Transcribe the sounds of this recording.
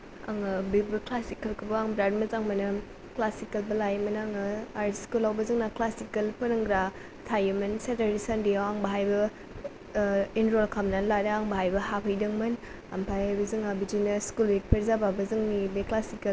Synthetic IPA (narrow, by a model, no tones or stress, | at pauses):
a̰ŋɯbibɐklasikɐlkʰɯbɐaŋbɾadmɐzaŋmɐnɯ | klasikɐlbɐlajmɐnaŋɯaɾskulawbɐzɯŋnaklasikɐlpɐnɯŋɡɾa | tʰajɯmɐnsetaɾisandiawaŋbɐɦajbɐ | inɾolkʰamnanladɐaŋbɐɦajbɐhapʰɐjdɯŋmɯn | a̰mpʰajajbɐzɯŋabid͡ʒinɐskulwik̚pʰɐɾzababɐzɯŋnibeklasikɐl